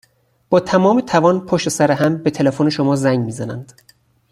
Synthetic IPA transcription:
b̥ɒːt̪ʰæmɒːmet̪ʰævɒːnpʰoʃt̪esæɾeɦæmbet̪ʰe̞lefoneʃomɒːzæŋɡmiːzænænd̪̥

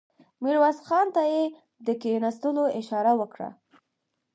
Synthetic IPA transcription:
miɾwasxɑnt̪aje | d̪əkenast̪əloɪʃɑɾawəkɽa̰

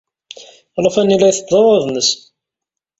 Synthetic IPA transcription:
lˤɑfænilæjθəd̪ˤowəðnəs

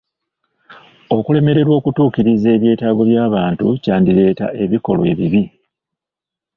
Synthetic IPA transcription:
o̞kule̞me̞ɾe̞ɾwo̞ːkutuːkiɾize̞ːβje̞ːtaːɡo̞βjaːβaːntucaːndiɾe̞ːta̰ʔe̞βiko̞̰lwe̞̰ːβiβi

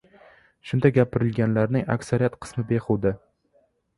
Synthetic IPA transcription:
ʃʊnd̪aɡʲapʰɪɾɪlɡʲanlaɾnɪŋa̰kʲsaɾijat̪qʰɨ̥smɪbeqʰuwd̪ɪ

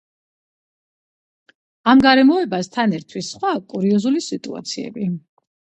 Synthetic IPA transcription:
amɡaɾɛmɔɛbast̪ʰanɛɾt̪ʰwisχwakʼuɾiɔzulisit̪ʼṵa̰t̪sʰiɛ̰bi

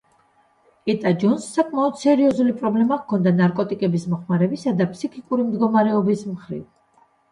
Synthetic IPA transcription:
ɛt̪ʼad͡ʒɔnsːakʼmaɔd̪sɛɾiɔzulipʼɾɔblɛmakʰɔnd̪anaɾkʼɔt̪ʼikʼɛbismɔχmaɾɛbisad̪apʰsikʰikʼuɾimd̪ɡɔmaɾɛɔbismχɾḭv

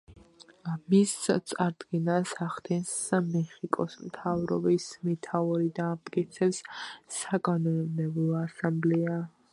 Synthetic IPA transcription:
amist̪sʼaɾd̪ɡɛnasaχt̪ʰɛnsmɛχikʼɔsmt̪ʰavɾɔ̰bismɛt̪ʰaɔɾid̪aːmt̪ʼkʼit̪sʰɛpsːaɡʼanɔnmd̪ɛblɔasamblɛa

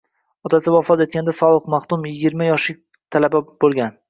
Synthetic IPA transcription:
ɒt̪ʰasɪwɒfɒt̪e̞t̪̚kʲand̪asɒlˠɨqmaχt̪ʊmjɪɡʲɪɾmajɒʃlɪk̚ʲ | t̪ʰalabab̥olˠɡʲan

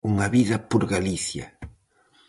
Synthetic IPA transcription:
uŋaβiðɐpoɾɡaliθjɐ̰

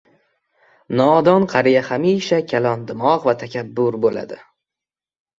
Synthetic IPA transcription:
nɒːd̪ɒnqʰɑɾijahamiʃakʲʰalˠɒnd̪ɪmɒqvat̪ʰakʲʰabːʊɾbola̰d̪ɪ

